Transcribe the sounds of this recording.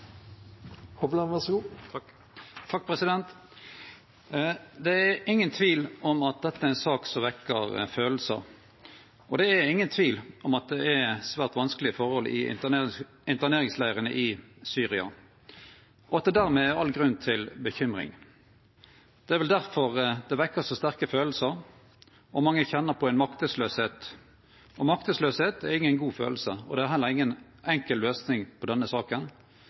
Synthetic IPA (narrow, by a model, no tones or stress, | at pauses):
hɔblɑʋæʁsɡuː | t̪ʰɑk̚pʰʁɛsɪd̪ɛnt̪ | d̪ɛæɾɪŋːənt̪ʰʋiːlɔmɑt̪̚d̪ɛt̪ːəæɛnsɑːksɔʋɛkːəʁføːl̩sə̰ | ʔɔd̪ɛæɾɪŋːənt̪ʰʋiːlʔɔmɑt̪̚d̪ɛʔæsʋæːʁt̪ʋɑnskəlɪəfɔʁhɔlʔɪ̰ | ɪnt̪əʁneːʁɪŋslæɪʁənəʔɪsyːʁɪɑ̰ | ɔɑt̪d̪əd̪æːʁmeæɑlɡʁʉnːt̪ʰɪlbəçʏmʁɪ̰ŋ | d̪̥ɛæʁʋɛld̪æʁfɔʁd̪ɛʋɛkːəʁsɔst̪æʁkəføːll̩səʁ | ɔmɑŋːəçɛnːəʁpʰɔæɪnmɑkt̪əsløːsheːt̪ | ʔɔmɑkt̪əsløːsheːt̪æɾɪŋːənɡuːfø̰ːl̩səɔ̰d̪ɛæɾɦɛlːəɾɪŋːən | ʔɛŋkəlløːsnɪŋpʰɔd̪ɛnːəsɑːkən